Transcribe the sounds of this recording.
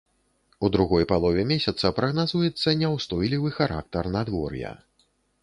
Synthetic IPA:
ud̪ɾuɣɔjpalˠɔvʲɛmʲesʲɐt̪sɐpɾɐɣnazujɛt̪sːɐnʲɛwst̪ɔjlʲivɨxaɾa̰k̚t̪ɐrnad̪vɔ̰rjɐ̰

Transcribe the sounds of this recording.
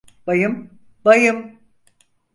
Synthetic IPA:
b̥ajɯm | bajɯm

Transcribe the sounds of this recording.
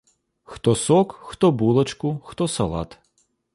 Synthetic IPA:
xt̪ɔsɔkxt̪ɔbulˠɐt͡ʃkʊxt̪ɔsɐlˠɑ̰t̪

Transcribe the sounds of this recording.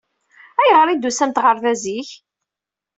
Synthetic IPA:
æjəʁɾˤid̪ːusæmt̪ʁəɾˤθæziç

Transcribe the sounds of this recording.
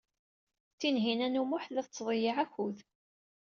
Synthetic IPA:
θinɦinænumʊħðəθt͡sːðˤjəʕækuð

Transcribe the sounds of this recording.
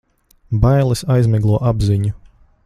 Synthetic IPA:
bajlˠɨsajzmʲɛɡlˠuɔʔabziɲu

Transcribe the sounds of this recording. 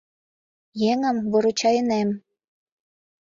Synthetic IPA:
jeŋə̆mβoɾut͡ɕɑjənem

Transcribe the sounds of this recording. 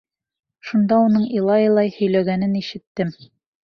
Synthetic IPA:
ʃund̪ɑunɤɴilˠɑjɤlˠɑjhɵ̆jlæɡænɘniʃɘ̆t̪ːɘm

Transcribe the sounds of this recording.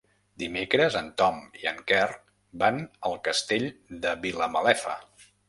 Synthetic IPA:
d̪imekɾəzənt̪ɔmiə̰ŋkɛr | banəlˠkəst̪eʎd̪əβiləməlɛfə̰

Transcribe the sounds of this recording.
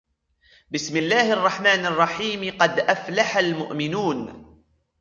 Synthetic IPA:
bɪsmɪlːaːhʔɑrˤːɑħmaːnɑrˤːɑħiːmqɑd̪ʔaflaħalmʊʔmɪnuːn

